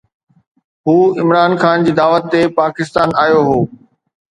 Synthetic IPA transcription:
ɦuːɪmɾaːnxaːnd͡ʑiːd̪aːʋət̪ːepaːkɪst̪aːnaːjoɦoː

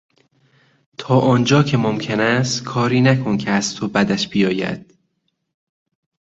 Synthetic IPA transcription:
t̪ʰɒːʔɒːnd͡ʒɒːcʰe̞momcʰe̞næst̪kʰɒːɾiːnækʰo̞ncʰeæzt̪ʰo̞bæd̪æʃb̥ijɒːjæ̰d̪̥

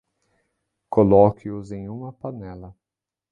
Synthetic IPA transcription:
kolɔkɪʊzẽj̃ũmɐpanɛlɐ

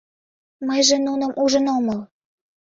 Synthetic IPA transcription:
məjʒĕnunə̆mʔuʒə̆noməl

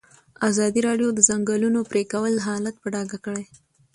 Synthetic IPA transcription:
azɑd̪iɾɑɖjod̪əzaŋɡəlunopɾekawəlɦɑlat̪̚pəɖɑɡakəɽej

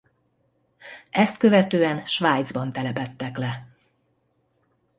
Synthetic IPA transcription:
ɛst̪kø̞vɛt̪øːɛnʃʋaːjd̪zbɒnt̪ɛlɛpɛt̪ːɛklɛ

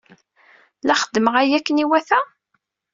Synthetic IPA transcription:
læχəd̪ːəməʁæjækːəniwæθæ

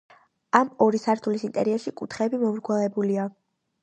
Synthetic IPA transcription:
amɔɾisaɾt̪ʰulisint̪ʼɛ̰ɾiɛɾʃikʼut̪ʰχɛbimɔmɾɡwalɛbulia

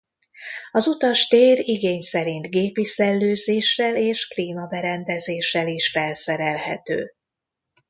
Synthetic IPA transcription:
ɒzut̪ɒʃt̪eːriɡeːɲsɛɾint̪ɡeːpisɛlːøːzeːʃrɛleːʃkliːmɒbɛɾɛnd̪ɛzeːʃːɛliʃfɛlsɛɾɛlhɛ̰t̪ø̰ː

